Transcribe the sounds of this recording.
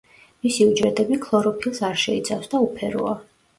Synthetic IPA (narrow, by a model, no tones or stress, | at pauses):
misiud͡ʒɾɛt̪ʼɛbikʰlˠɔɾɔpʰilˠsaɾʃɛit̪sʰafsd̪aupʰɛɾɔ̰a